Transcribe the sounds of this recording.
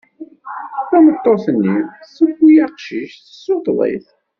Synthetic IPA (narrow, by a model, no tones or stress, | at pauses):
θæmət̪ˤːoθənːisəfijæqʃiʃθə̥sːotˤðˤḛθ